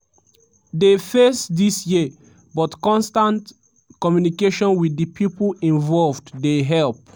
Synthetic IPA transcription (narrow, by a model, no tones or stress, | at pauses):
defesdisji | bɔtkɔ̃nstãnt | kɔmjunikeʃɔ̃nwidipʰipĩnvɔlvddeɦɛlp